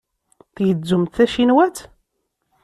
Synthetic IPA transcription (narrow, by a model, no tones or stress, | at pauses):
θjəd͡zːʊmt̪θæʃinwæt͡s